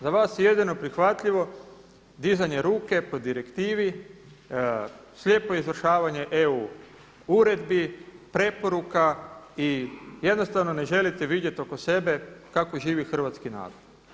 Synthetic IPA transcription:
zaʋaːsjeje̞d̪ino̞pɾixʋat̪ʎiʋo̞ | d̪izaɲe̞ɾuːke̞po̞d̪iɾe̞kt̪iːʋi | slʲje̞ːpo̞izʋr̩ʃaːʋaɲe̞ʔeu | uɾe̞d̪bipɾe̞po̞ɾukaije̞d̪no̞st̪aʋno̞ne̞ʒe̞lit̪eʋid̪je̞t̪o̞ko̞se̞be̞kako̞ʒiːʋixr̩ʋat̪skina̰ːdod̪

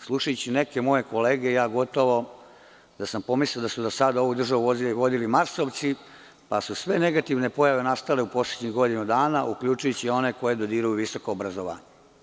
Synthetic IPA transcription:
slˠuʃajut͡ɕine̞ke̞mo̞je̞ko̞leːɡe̞jaːɡo̞t̪o̞ʋo̞ | d̪asampo̞misleld̪asud̪osad̪ao̞ʋud̪r̩ʒaʋuoʋo̞d̪ilimaɾso̞ːʋt̪si | pasusʋe̞ne̞ɡat̪iʋne̞po̞jaʋe̞nast̪aleupo̞slˠed̪ɲixɡo̞d̪inud̪aːnaʔukʎut͡ʃujut͡ɕio̞ne̞ko̞je̞d̪od̪iːɾujuʋiso̞koːbɾazoʋa̰ːɲe

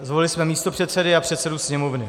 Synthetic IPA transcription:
zvolɪlɪsmɛmiːst̪o̞pr̥ɛt̪sɛdɪapr̝̥ɛt̪sɛdusɲɛmovnɪ

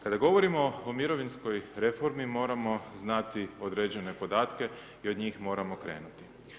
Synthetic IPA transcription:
kad̪aɡo̞ʋo̞ɾimo̞ːmiɾo̞ʋinsko̞jɾe̞fo̞ɾmimo̞ːɾamo̞znat̪io̞d̪ɾed͡ʑe̞ne̞po̞d̪aːt̪ke̞ | iod̪ɲiːxmo̞ːɾamo̞kɾe̞̰ːnut̪i̥

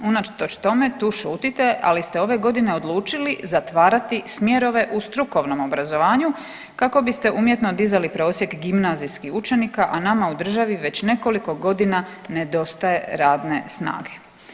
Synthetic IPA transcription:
unat͡ʃt̪ot͡ʃt̪o̞me̞t̪uːʃuːt̪it̪e̞ʔa̰list̪eo̞ʋe̞ɡo̞d̪ine̞o̞d̪lˠuːt͡ʃilizat̪ʋaːɾat̪ismjeɾo̞ʋe̞ʔust̪ɾuko̞ʋno̞mo̞bɾazo̞ʋaːɲu | kako̞bist̪e̞ʔuːmje̞t̪no̞d̪izalipɾo̞ːsjekɡimnazijskixut͡ʃe̞nikaʔanamaud̪r̩ʒaʋiʋe̞t͡ɕne̞ko̞liko̞ɡo̞d̪ina | ne̞d̪o̞st̪aje̞ɾaːd̪ne̞sna̰ːɡe̞̥

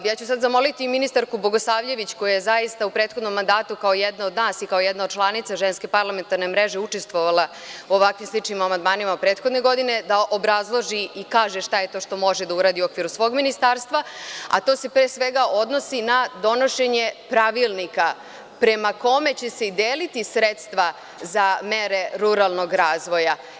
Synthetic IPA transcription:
jaːt͡ɕusad̪zamo̞lit̪iːminist̪aɾkubo̞ɡoslaːʋʎe̞ʋit͡ɕko̞jajezajist̪aupɾet̪xo̞d̪no̞mːand̪aːt̪ukaojɛd̪nao̞d̪naːsikaojɛd̪naod̪t͡ʃlˠanit̪saʒenske̞paɾlˠament̪aɾne̞mɾeʒeut͡ʂest̪ʋoʋalˠa | uoʋakʋimslˠit͡ʃnimamand̪maːnimaupɾe̞ːt̪xo̞d̪neɡo̞d̪ine̞d̪aʔo̞bɾazlˠo̞ʒiikaːʒeʃt̪ajet̪o̞ʃt̪o̞mo̞ʒed̪auɾaːd̪iuo̞kʋiɾusʋo̞ːɡminist̪aɾst̪ʋaa̰t̪o̞se̞pɾeːsʋeɡao̞d̪no̞sinad̪o̞no̞ʃe̞ɲe̞pɾaʋilˠnika | pɾe̞mako̞me̞t͡ɕe̞seid̪eːlit̪isɾet̪st̪ʋa | zameɾe̞ɾuɾalˠno̞ɡɾaːzʋo̞ja

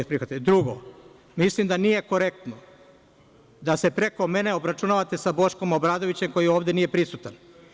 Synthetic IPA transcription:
pɾixat̪ed̪ɾuɡo | mislimd̪anije̞ko̞ɾek̚t̪no | d̪ase̞pɾe̞ko̞me̞ne̞o̞bɾat͡ʃunaːʋat̪esabo̞ʃko̞mobɾaːd̪oʋit͡ɕe̞mko̞jio̞ːʋd̪e̞niːje̞pɾisut̪an

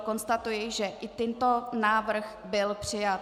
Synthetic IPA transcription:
ko̞nst̪at̪ujɪʒɛʔɪt̪ɛnt̪o̞naːvr̩x | bɪlpr̝̥ɪjat̪

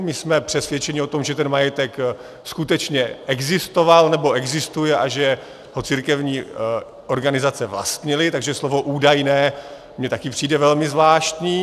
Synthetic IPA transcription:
mɪsmɛpr̥ɛsvjɛt͡ʃɛɲɪo̞t̪o̞mʒɛt̪ɛnmajɛt̪ɛk | skut̪ɛt͡ʃɲɛʔɛɡzɪst̪ovalnɛbo̞ʔɛɡzɪst̪ujɛʔaʒɛ | ɦo̞t͡siɾkɛvɲiː | ʔo̞ɾɡanɪzat͡sɛvla̰st̪ɲɪlɪt̪aɡʒɛslovo̞ʔuːdajnɛː | mɲɛt̪akɪpr̝̥iːdɛvɛlmɪzvlaːʃt̪ɲiː

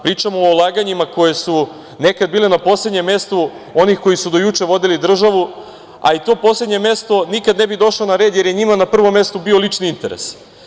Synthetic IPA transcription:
pɾiːt͡ʃamoːlˠaːɡaɲimako̞je̞su | ne̞kad̪̚biːle̞napo̞sled̪ɲe̞mje̞st̪u | o̞nixko̞jisud̪o̞jut͡ʂe̞ʋo̞d̪ilid̪r̩ʒaʋu | a̰it̪o̞ːpo̞sle̞d̪ɲe̞mje̞st̪o̞nikad̪ne̞bid̪o̞ʃlonaɾe̞d̪je̞ɾjeɲimanapr̩ʋo̞mje̞st̪ubio̞lit͡ʃniint̪e̞ɾḛs

